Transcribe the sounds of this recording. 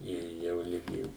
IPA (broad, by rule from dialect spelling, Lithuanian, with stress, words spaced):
ˈɪr ˈjɛʊ ˈlʲɪɡʲɪ